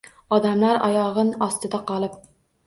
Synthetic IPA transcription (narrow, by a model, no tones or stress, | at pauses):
ɑd̪ɛmlæɾɑ̰jɑʁənɑst̪ɨd̪ɑqɑlˠɨp̚